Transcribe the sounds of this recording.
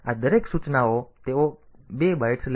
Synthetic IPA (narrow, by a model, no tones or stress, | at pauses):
ad̪əɾeksut͡ʃnaot̪eʋo | bebajʈsl